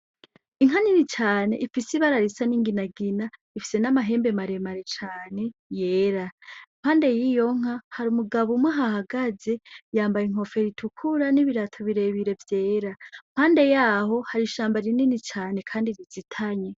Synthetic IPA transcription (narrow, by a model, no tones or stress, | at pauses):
iŋ̥aninit͡ʃaːne̞ʔifisiβaɾaɾisaniŋɡinaɡina | ifi̥se̞namaɦe̞ːmbe̞maɾe̞maɾet͡ʃaːne̞je̞ːɾam̥haːnde̞jijo̞ŋ̥ahaɾumuɡaβumwaɦahaɡaze̞jaːmbajiŋ̥o̞feɾitʰukʰuɾaniβiɾatʰoβiɾe̞βiɾe̞vje̞ːɾam̥haːnde̞jaːho̞haɾiʃaːmbaɾininit͡ʃaːne̞kʰaːndiɾizitʰaɲe̞